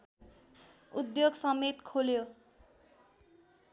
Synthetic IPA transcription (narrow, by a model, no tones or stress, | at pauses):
ud̪joɡsʌmet̪kʰoljo